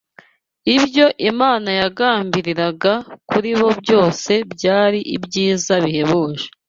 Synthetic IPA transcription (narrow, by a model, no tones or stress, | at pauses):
ibjo̞ʔimaːnajaɡaːmbiɾiɾaɡakuɾiβo̞bjo̞ːse̞bɟaːɾiʔibɟiːzaβihe̞βoːʒe